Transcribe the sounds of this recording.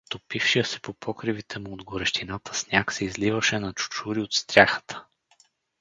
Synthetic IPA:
t̪opifʃijəsɛ̥popʰɔkɾivit̪ʰɛmʊːd̪ɡoɾɛʃt̪inat̪ʰə̥snʲaksɛizlivəʃɛnɐt͡ʃʊ̥t͡ʃuɾiot̪st̪ɾʲaxə̥t̪ʰə̥

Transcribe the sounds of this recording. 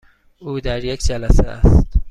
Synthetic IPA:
uːd̪æɾjekd͡ʒælæseʔæ̰st̪

